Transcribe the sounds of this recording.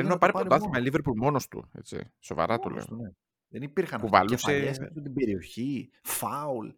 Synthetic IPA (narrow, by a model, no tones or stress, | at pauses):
enunɐpɐɾipoɐt̪ɐimɐliveɾpulmo̞nost̪ṵḛt͡sḭso̞vɐ̰ɾɐt̪o̰lḛo̰ne | ðenipiɾxɐnpuvɐ̰luseessut̪ibe̞ɾio̞çi | fɐul